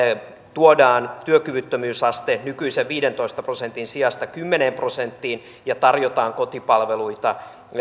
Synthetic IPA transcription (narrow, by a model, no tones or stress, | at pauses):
t̪uodɑːnt̪yøkyʋyt̪ːømyːsɑst̪enykyiseʋʋiːdent̪o̞ist̪ɑprosent̪insiɑst̪ɑkymːeneːmpro̞sent̪ːiːn | jɑt̪ɑrjot̪ɑːŋkot̪ipɑlʋeluit̪ɑ